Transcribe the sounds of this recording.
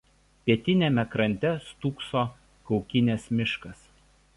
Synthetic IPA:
pʲiɛt̪ʲɪnʲeːmʲɛkɾɐnʲt̪ʲɛst̪uːksoː | kɒʊkʲɪnʲeːsmʲɪʃkɐs

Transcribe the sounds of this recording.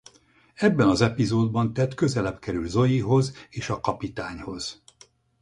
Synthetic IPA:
ɛbːɛnɒzɛpizoːd̪bɒnt̪ɛt̪kø̞zɛlɛpkɛɾylzo̞jiɦo̞zeːʃɒkɒpit̪aːɲho̞z̥

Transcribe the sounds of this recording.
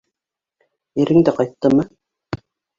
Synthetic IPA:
iɾɘ̆ŋd̪æqɑjt̪ːɤmɤ

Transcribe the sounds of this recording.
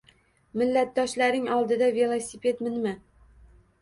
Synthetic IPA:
mɪlːat̪̚d̪ɒʃlaɾnɪŋɒlˠd̪ɪd̪ave̞lˠosʲipʰe̞t̪mɪnma

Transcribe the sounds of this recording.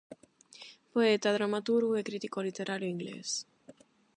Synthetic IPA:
poet̪aðɾamat̪uɾɣuekɾit̪ikolit̪eɾʔaɾjoiŋɡlḛs

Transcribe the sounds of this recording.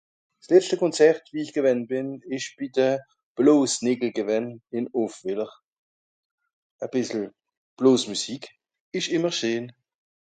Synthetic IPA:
slɛt͡stəkʰɔnt͡sɛʁtviːɪçɡ̥əvɛnb̥ɪnɪʃb̥iːdə | b̥loːsnɪːɡl̩ɡəvɛnɪnofv̥ɪləʁ | əb̥ɪsl̩ | b̥loːsmusiːk | ɪʃɪməʁʃøːn

